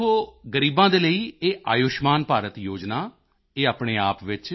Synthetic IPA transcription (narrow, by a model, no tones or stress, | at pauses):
oːɡəɾiːbãːd̪eːləiːeːʔaːjʊʃmaːnpaːɾət̪joːd͡ʒnaː | eːaːpɳeːaːpʋɪt͡ʃ